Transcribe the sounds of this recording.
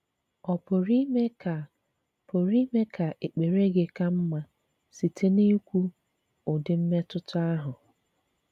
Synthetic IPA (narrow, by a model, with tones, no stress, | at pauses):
ɔ˨pʊ˨ɾi˦me˦ka˨ | pʊ˨ɾi˦me˦kʰa˨ʔe˨k͡pe˨ɾe˦ɡe˨ka˦m̩˦ma˦ | si˨tʰe˦ne˦kʷu˦ | ʊ˨dɪ˨m̩˦me˦tʊ˦tʊ˦a˦ɦʊ˨